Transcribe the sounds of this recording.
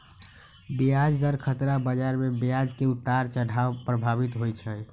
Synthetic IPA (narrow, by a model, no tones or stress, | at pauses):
bijad͡ʒd̪əɾkʰət̪ɾabəd͡ʒaɾmebijad͡ʒkeut̪ːaɾt͡ʃəɽ̤ʱaʋpɾəbʱabit̪ɦojt͡ʃʰə